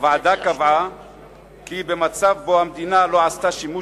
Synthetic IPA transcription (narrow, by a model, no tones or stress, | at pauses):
vʕad̪akava | kibe̞mat͡savbohamd̪inalo̞ʕast̪aʃimu